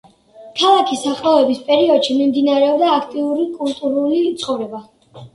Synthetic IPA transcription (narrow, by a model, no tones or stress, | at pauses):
kʰalˠakʰisaχʼavɛbispʼɛɾiɔd̪̥ʃimimd̪inaɾɛɔbd̪aːkʰt̪ʼiuɾikʼulˠt̪ʼuɾulit̪sʼχʼɔvɾɛba